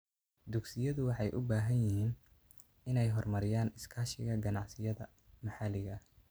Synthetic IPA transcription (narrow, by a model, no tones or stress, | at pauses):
d̪ʊɡsɪjɐðʊwɑħɑjʔʊbaːɦɐnjɪhiːn | ɪnɛjɦɔrmɐɾɪjaːnɪskʰaːʃɪɣɐɡɐnɑʕsɪjɐðɐ | mɑħɑlɪɣɐ